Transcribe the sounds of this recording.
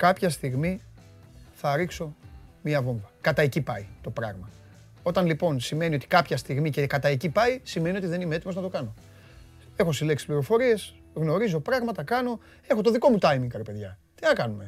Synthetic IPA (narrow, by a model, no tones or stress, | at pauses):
kɐpçɐst̪iɣmi | θɐɾikso̞miɐvo̞ɱvɐkɐt̪ɐecipɐit̪o̞pɾɐɣmɐ | o̞t̪ɐnlipo̞nsime̞nio̞t̪i̥kɐpçɐst̪iɣmicekɐt̪ɐecipɐisimenio̞t̪iðe̞nimeet̪imoznɐt̪o̞kɐno̞ | e̞xo̞sileksi̥pliɾo̞fo̞ɾie̞s | ɣno̞ɾizo̞pɾɐɣmɐt̪ɐkɐno̞ | e̞xo̞t̪oðiko̞mut̪ɐjmiŋɡkɐɾipe̞ðʝɐt̪inɐkɐnume̞